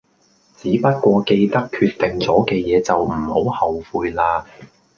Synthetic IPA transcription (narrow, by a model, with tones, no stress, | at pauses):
t͡siː˨˥pɐ˥t̚kʷɔː˧ke˧jt̪ɐ˥kʰyː˧t̪ːɪ˨ŋt͡sɔː˨˥kɛː˧jɛː˨˧t͡sɐ˨wm̩˨˩ho˨˥whɐ˨wfuː˧jlaː˧